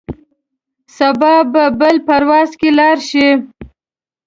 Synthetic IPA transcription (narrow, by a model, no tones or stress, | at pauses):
sabɑbabəlpaɾwɑzkelɑɾʃi